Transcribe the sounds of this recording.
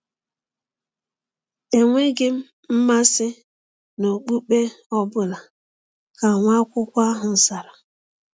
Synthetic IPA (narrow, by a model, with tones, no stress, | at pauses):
e˨ŋʷe˦ɡɪ˦m̩˦ | m̩˦ma˦sɪ˦ | no˨k͡pu˦k͡pe˦ | ɔ˦bʊ˦la˨ | ka˨ŋʷa˦kʷʊ˦kʷa˦ɦʊ˨n̩˨sa˨ɾa˨